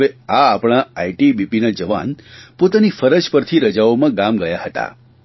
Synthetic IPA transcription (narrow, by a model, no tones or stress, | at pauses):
eaːpɽ̃aaiʈibipinad͡ʒəʋa̰npot̪anifəɾəd͡ʒpəɾt̪ʰiɾəd͡ʒaomãɡamɡəjaɦət̪a̰